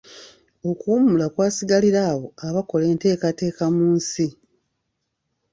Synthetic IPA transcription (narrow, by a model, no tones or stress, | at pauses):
o̞kuːmulakwaːsiɡaliɾaːβo̞aβako̞le̞ːnte̞ːkate̞ːkamuːnsi